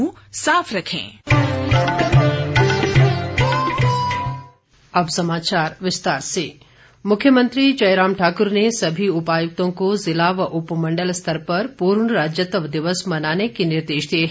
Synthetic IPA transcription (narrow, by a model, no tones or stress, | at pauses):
ũ | saːpʰɾɐkʰḛ̃ː | ɐbsɐmaːt͡ʃaːɾʋɪst̪aːɾseː | mʊkʰjəmə̃nt̪ɾit͡ʃɐjɾaːmʈʰaːkʊɾnesɐbʱiʊpaːjʊk̚t̪õkozɪlaːʋəʔʊpmɐ̃ɳɖəlst̪ʰəɾpɐɾpuːɾɳɾaːd͡ʒjət̪əʋd̪ɪʋəsmɐnaːnekenɪɾd̪eːʃd̪iɦ